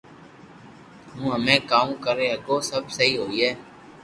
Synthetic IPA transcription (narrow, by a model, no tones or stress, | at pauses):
ɦũːɦəmẽːkaːũːkəɾeːɦəɡoːsəbsəɦiːɦoːiːɦɛː